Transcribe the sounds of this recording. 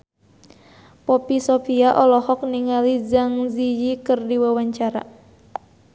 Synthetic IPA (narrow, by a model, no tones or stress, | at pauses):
pɔpisɔfiaʔɔlɔhɔk̚niŋalid͡ʒaŋzijikɨrdiwawaɲt͡ʃaɾa̰